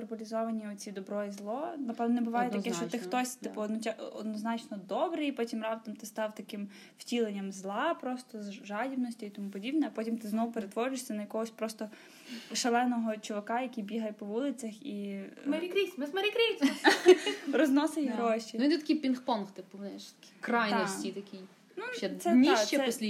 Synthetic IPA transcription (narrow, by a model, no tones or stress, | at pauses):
erpɔlʲizɔʋɐnʲiɔt͡sʲid̪ɔbɾɔjizlˠɔnɐpɛvnɔnɛbʊʋɑjɛt̪ɐkɛʃt͡ʃt͡ʃɔt̪ɪxt̪ɔsʲt̪ɪpʊɔd̪nɔt͡ʃʲʔɔd̪nɔznɑt͡ʃnɔd̪ɔbɾɪjpɔtʲimrɑp̚t̪ɐmt̪ɪst̪ɑwt̪ɐkɪm | ftʲilˠenʲːɐmzlˠɑpɾɔst̪ɔzʒɑdʲibnɔsʲtʲʊit̪ɔmupɔdʲibnɛɐpɔtʲimt̪ɪznɔʋʊpeɾet̪ʋɔɾʲɪʃsʲɐnɐjɐkɔɦɔsʲpɾɔst̪ɔ | ʃɐlˠɛnɔɦɔt͡ʃɔʋɐkɑjɐkʲijbʲiɦɐjpɔʋulˠɪt͡sʲɐximɾʲkɾʲimɪsmɐɾʲikɾʲisʲ | rɔznɔsɪjʲiɦɾɔʃʲiid̪ɛt̪ɐkʲijpʲinxpɔnxt̪ɪpʊʋnɛʃt̪ɐkikrɑj̪nɔsʲit̪ɐkʲij | nuɛsɛnʲiʃt͡ʃːɛsɛlʲi